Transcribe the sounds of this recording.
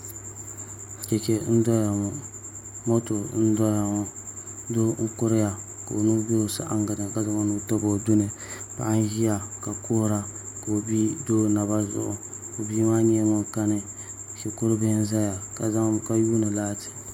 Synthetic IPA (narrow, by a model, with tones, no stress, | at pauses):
a˨t͡ʃɛ˨t͡ʃɛ˦n̩˦dɔ˦ja˨ŋo˨ | mo˦to˨˦n̩˦dɔ˦ja˨ŋo˨do˦ŋ̩˦kʊ˦ɾɪ˦ja˨ | ka̰˨o˨nu˦be˦o˨sa̰˦ʔa̰˦ŋɡa˨dɨ˨ka˦za˦ma˦nu˦to˦bo˨dʊ˦nɨ˨ | pa̰˨ʔa˦n˦ʒi˦ja˨ka˨koː˦ɾa˦ | ka˨o˨bi˦do˦na˨ba˦zʊ̰˦˨ʔʊ̰˨ | o˨biː˦maː˦ɲi˦ɛ˦ŋo˦ka˦nɨ˨ | ʃi˨kʊ˦ɾɨ˦bɨ˦n˦za˦ja˨ka˨za˦ka˦juː˦nɨ˨laː˦tɨ̥˨